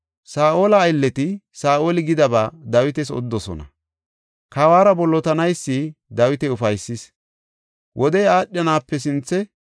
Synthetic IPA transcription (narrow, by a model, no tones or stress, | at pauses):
saːʔo̞ːlɐːjlːɛt̪ɪsaːʔoːlɪɡɪd̪ɐbaːd̪ɐwɪt̪ɛsɔ̰d̪ːɔsɔ̰nɐ̰ | kawaːɾɐbɔlːɔt̪ɐnɐjsːid̪ɐwɪt̪ɛʊfɐjsːɪs | wʔɔd̪ɛjaːɗʲjɐnaːpːɛs̬ɪnt͡sːɛ